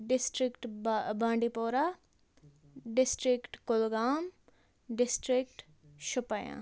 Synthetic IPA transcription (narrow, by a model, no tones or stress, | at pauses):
ɖɪsʈɾɪkʈbãːɳɖipoːɾa | ɖɪsʈɾɪkʈkʊlɡaːm | ɖɪsʈɾɪk̚ʈ | ʃʊpajã̰ː